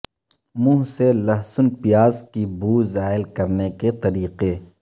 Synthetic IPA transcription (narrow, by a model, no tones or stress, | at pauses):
mũːɦselɐɦsʊnpɪjaːzkibuːzaːɪlkɐɾneket̪ɐɾiːqe